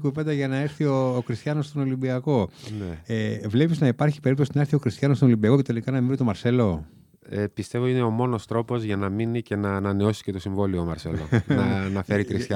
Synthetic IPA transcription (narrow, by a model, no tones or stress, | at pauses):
kuve̞nd̪ɐʝɐnɐe̞ɾθioːkɾist̪çɐnost̪o̞no̞limbiɐko̞neevle̞piznɐipɐɾçi̥peipt̪osinɐeɾθiokɾist̪çɐnostono̞limbiɐko̞ce̞t̪e̞likɐnɐmiit̪o̞mɐɾse̞lo̞ | epist̪e̞vo̞ine̞o̞mo̞no̞st̪ɾo̞po̞zʝɐnɐminice̞nɐːnɐne̞o̞si̥sce̞t̪o̞siɱvo̞lioːmɐɾsḛlo̞nnɐnɐfe̞ɾikɾist̪ɐ